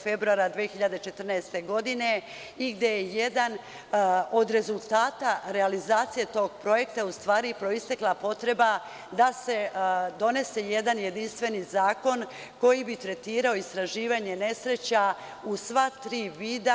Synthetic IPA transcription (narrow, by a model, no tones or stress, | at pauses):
fe̞bɾuaɾad̪ʋijexiʎad̪et͡ʃe̞t̪r̩naest̪e̞ɡo̞d̪ine̞ | iɡd̪je̞jejed̪an | o̞d̪ɾe̞zulˠt̪aːt̪aɾe̞alizaːt̪sije̞t̪o̞ːɡpɾo̞je̞k̚t̪aust̪ʋaːɾipɾo̞ist̪eklˠapo̞t̪ɾe̞ba | d̪ase̞d̪o̞ne̞se̞je̞d̪anje̞d̪inst̪ʋe̞nizaːko̞n | ko̞jibit̪ɾe̞t̪iːɾao̞ist̪ɾaʒiːʋaɲe̞ne̞sɾe̞t͡ɕa | usʋat̪ɾiːʋiːd̪a